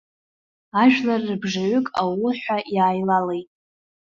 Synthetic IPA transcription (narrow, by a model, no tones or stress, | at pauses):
aʒᶣlarːɨbʐaɥʊkʼawʊħʷᶣaʔjaːjlalejtʼ